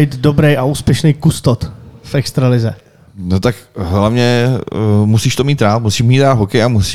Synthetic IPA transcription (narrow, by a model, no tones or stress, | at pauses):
iːt̪dobɾɛjaʔuːspjɛʃnijkust̪ot̪fɛkst̪ɾalɪzɛ̰ | not̪akɦlavɲɛ | musiːʃt̪omiːt̪ɾaːlmusiːʃmiːt̪ɾaːlɦokɛjamusi